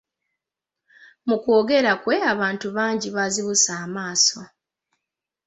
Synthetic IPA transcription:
muko̞ːɡe̞ɾakwe̞aβaːntuβaːɲɟiβaziβusaːmaːso̞

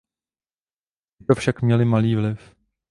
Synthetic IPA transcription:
ɪt̪ofʃakmɲɛlɪmaliːvlɪf

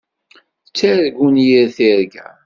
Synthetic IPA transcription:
t͡sːæɾɡunjiɾθiɾɡæ̰

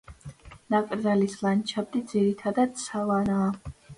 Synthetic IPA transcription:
nakʼɾd̪zalislant͡ʃʰab̚d̪id̪ziɾit̪ʰad̪ad̪̥savanaː

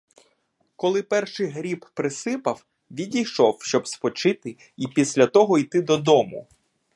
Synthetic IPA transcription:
kɔlˠɪpɛrʃɪjɦɾʲibpɾɪsɪpɐw | ʋʲidʲijʃɔwʃt͡ʃɔbspɔt͡ʃɪt̪ɪ | ipʲisʲlʲɐt̪ɔɦɔit̪ɪd̪ɔd̪ɔmʊ̰

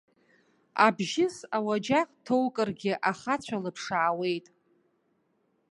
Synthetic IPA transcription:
abʒɪsawad͡ʒaqʼtʰowkʼɨrɡʲɪʔaχat͡ɕʷʰalɨpʰʂaːwe̞jtʼ

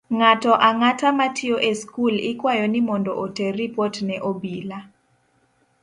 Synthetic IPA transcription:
ŋatɔʔaŋatamatʰɪoʔeskulɪkwajɔnɪmɔndɔʔoteripɔtnɛʔobila

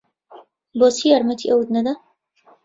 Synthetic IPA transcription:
boːsijaːɾmɐt̪ʰiʔɐwud̪nɐd̪a

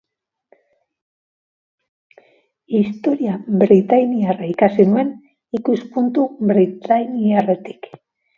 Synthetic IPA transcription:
ist̪o̞ɾiabɾit̪ajniaraikasinue̞n | ikuspunt̪uβɾit̪ajniare̞t̪i̥k

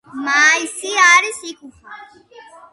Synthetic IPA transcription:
maːisiaːɾisiku

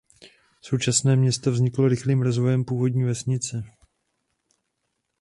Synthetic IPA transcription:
so̞wt͡ʃasnɛːmɲɛst̪ovzɲɪkloɾɪxliːmɾozvo̞jɛmpuːvo̞dɲiːvɛsɲɪt͡sɛ

